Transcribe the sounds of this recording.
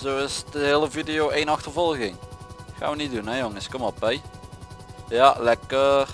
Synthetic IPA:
zoːɪsdəɦeːləvidijoːeːnɑxtərvɔlˠɣɪŋxa̰nʋənidunɛjoŋəskɔmɔlˠbɛj | jalɛkə

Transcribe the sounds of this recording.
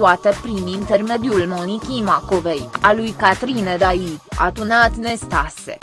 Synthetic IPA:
uat̪əpɾinint̪erme̞d̪julmonikʲimako̞vejalujkat̪ɾined̪aida̰d̪unat̪ne̞st̪asḛ

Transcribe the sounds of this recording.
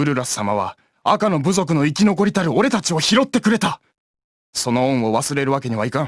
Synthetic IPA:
ɯ̟ɾɯ̟ɾasɨ̥samaβ̞a̰ | akano̞bɯ̟zo̞k̬ɯ̟no̞ikʲino̞k̬o̞ɾʲit̪aɾɯ̟o̞ɾe̞t̪at͡ɕio̞çiɾo̞t̪ːe̞kɯ̟ɾe̞t̪a | so̞no̞õɰ̃o̞βasɨɾe̞ɾɯ̟βake̞ɲ̟iβaikã

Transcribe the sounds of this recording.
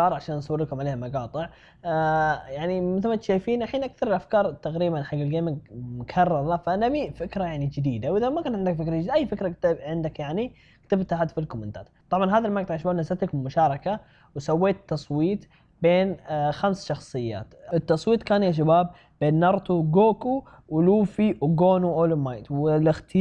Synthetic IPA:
ɑːɾˤʕaʃaːnʔsˤawːɪlkʊmʕaleːhamɑɡɑːt̪ˤɨʕ | jaʕnimɪθɪlmat̪ʃaːjfiːnʔaħiːnʔakθɑɾˤɪlʔafkɑːɾˤt̪aɣɾiːbanħaɡːalɡeːmɪɡmʊkʰɑrˤːɑɾˤlafaʔanabifɪkɾajaʕnid͡ʒɪd̪iːd̪awʔɪðamakaːnʕɪnd̪akfɪkɾaɪid̪ʔajːfɪkɾakt̪ɪbʕɪnd̪akjaʕni | kt̪ɪbt̪ahaːd̪filkʊmːʊnɪt̪a̰ːt̪t̪ˤɑbʕɑnɦaːðalmak̚t̪ʕʃbaːbnazat̪akmʊʃɑːɾˤɑka | wsawːeːt̪ːɑsˤwiːt̪ˤ | beːnxamsʃɑxsˤɨjːa̰ːt̪ɪt̪ːɑsˤwiːt̪kaːnjaʃ̬abaːb̚ | beːnːɑɾˤt̪uɡoːku | wɪluːfiwɡoːnuʔoːlmajt̪wɪlɪxt̪ɪ

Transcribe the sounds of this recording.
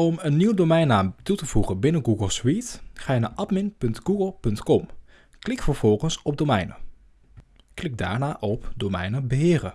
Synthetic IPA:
ɔmənːiwdomɛjnaːmtutəv̥uχənbɪnəɡuɡəlˠswitχaːna̰ːʔɑtmɪnpɵntɡuɡəlˠpɵntkɔm | klɪkfəɹv̥ɔlˠχənsɔb̚domɛjnə̰ | klɪk̚da̰ːɹnaːʔɔpdowmɛ̰jnəbəɦɪːrə

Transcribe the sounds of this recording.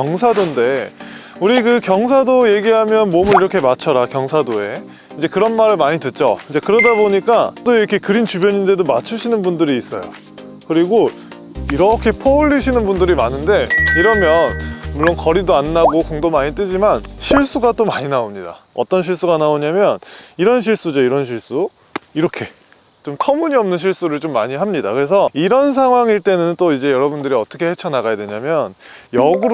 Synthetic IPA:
kjʌŋsʰadonde̞ | uɾikɯkjʌŋs̬ʰadoje̞ɡiɦamjʌnmomɯniɾʌkʰe̞mat͡ɕʰʌɾakjʌŋsʰadoe̞ | ind͡ʑe̞kɯɾʌnmaɾɯɭmaɲitɯt̚t͡ɕ͈o̰ind͡ʑe̞kɯɾʌdaboɲik͈at͈oiɾʌkʰe̞kɯɾint͡ɕubjʌɲinde̞domat͡ɕʰuɕʰinɯnbundɯɾiːs͈ʌ̰jo̰ | kɯɾiɡo | iɾʌkʰe̞pʰʌuʎːiɕʰinɯnbundɯɾimanɯnde̞iɾʌmjʌnmuɭːonkʌɾidoanːaɡokoŋdomaɲit͈ɯd͡ʑimanɕʰiɭs͈uɡat͈omaɲinaomɲida̰ʌ̰t͈ʌnɕ̬ʰiɭs͈uɡanaoɲamjʌniɾʌnɕ̬ʰiɭs͈ud͡ʑʌiɾʌnɕ̬ʰiɭs͈u | iɾʌkʰe̞ | t͡ɕomtʰʌmuɲiʌmnɯnɕʰiɭs͈uɾɯɭt͡ɕomːaɲiɦamɲidakɯɾe̞s̬ʰʌiɾʌns̬ʰaŋɦwaŋiɭt͈e̞nɯnt͈oid͡ʑe̞jʌɾʌbundɯɾiʌt͈ʌkʰe̞he̞t͡ɕʰʌnaɡajadwe̞ɲamjʌnjʌɡɯɾ

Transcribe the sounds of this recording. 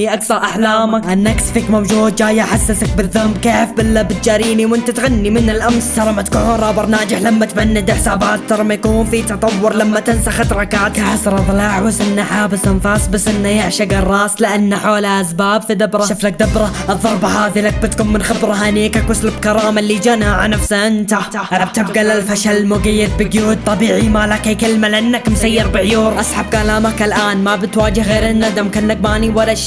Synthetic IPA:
iʔaksɑɾˤʔaħlaːmakʔɪnːaksfiːkmowd͡ʒuːd̪̚d͡ʒaːjːaʔaħasːɪsak̚bɪðːʊhmkeːfbɪlːabɪt̪̚d͡ʒaːɾiːniwʔɪnt̪at̪ɣanːimɪnɪlʔamst̪ɑɾˤɑmat̪kuʕuːnɾˤɑːbɑɾˤnaːd͡ʒɪħlamːat̪manːɪd̪ɪħsaːbaːt̪ːɑɾˤɑmajkuːnfit̪ɑt̪ˤɑwːʊɾˤlamːat̪ɪnsaxat̪ɾˤɑkaːt̪aħasɑɾˤɑðˤlaːʕwasʔɪnːaħaːbɪsʔanfaːsˤbasʔɪnːajɪʕʃaɡɑrˤːɑːslɪʔanːaħoːlaʔasbaːbfid̪abɾˤʃɑʃʊflak̚d̪abɾˤɑʔɨðˤːɑɾˤbahaːðilak̚bɪt̪kuːnmɪnxɪbɾˤaɦaneːkakwʊslɪbkɑɾˤɑːmalːid͡ʒanaʕanafsʔɪnt̪aaʔalab̚t̪ɪbɡalːalfaʃalmʊɡajːɪd̪̚bɪɡjuːd̪̚t̪ˤɑbiːʕimaːlakajkɪlmalʔɪnːakmsajːɪɾbɪʕjuːɾˤʔasˤħab̚kalaːmakɪlʔaːnmabɪt̪waːd͡ʒɪhɣeːɾɪnːad̪amkanːak̚baːniwalaʃ

